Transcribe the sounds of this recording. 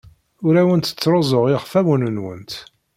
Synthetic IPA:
ʊɾæwənt̪ə̥t͡sːɾˤozˤoʁɪʁfæmunənwə̰nt̪

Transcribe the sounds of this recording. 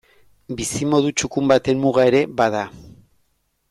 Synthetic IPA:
bisimo̞ðut͡ʃukumbat̪e̞mmuɣae̞ɾe̞βað̞a

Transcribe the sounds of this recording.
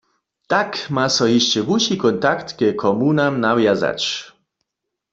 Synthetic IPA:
t̪akmasɔɦiʃt͡ɕɛbuɕikɔnt̪akt̪kɛkʰɔmunamnawjaza̰t͡ʃ

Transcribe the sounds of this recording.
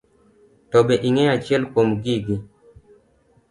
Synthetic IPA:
tɔbɛʔiŋɛat͡ʃjɛlkwomɡiɡi

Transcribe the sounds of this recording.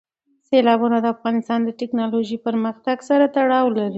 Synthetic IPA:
selɑbunad̪əafɣɑnɪst̪ɑnd̪əʈɪknɑloʒipəɾməxt̪aɡsaɾat̪aɽɑwlaɾi

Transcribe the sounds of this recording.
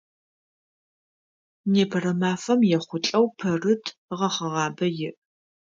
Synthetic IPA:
neːpʰɐrɐmaːfɐmjɛχʷʊt͡ɬʼɐwpʰɐrɨtʰʁɐχɐʁɑːbɐjɪʔ

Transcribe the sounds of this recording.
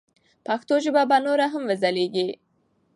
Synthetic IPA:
paxt̪oʒɪbabanoɾaɦamwəzaleɡi

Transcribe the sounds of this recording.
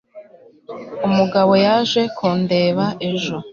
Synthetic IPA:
umuɡaβo̞jaʒe̞kʰuːnde̞ːβaʔe̞ʒo

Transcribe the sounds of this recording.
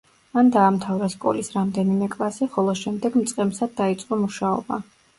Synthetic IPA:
mand̪aːmt̪ʰavɾaskʼɔ̰lisɾamd̪ɛnimɛkʼlˠasiχɔlˠɔʃɛmd̪ɛɡmt̪sʼqʼɛmsad̪̚ːait̪sʼqʼɔmuʃaɔ̰ba̰

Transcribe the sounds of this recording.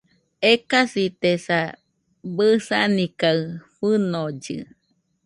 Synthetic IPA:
ekasit̪esa | bɨsanikaɨɸɨnod͡ʒɨ̰

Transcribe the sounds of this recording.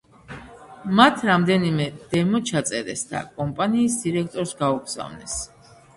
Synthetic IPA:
mat̪ʰɾamd̪ɛnimɛd̪̥ɛmɔt͡ʃʰat̪sʼɛɾɛ̰sd̪a̰kʼɔmpʼaniːsd̪iɾɛk̚ʰt̪ʼɔɾsɡauɡz̥a̰vnɛs

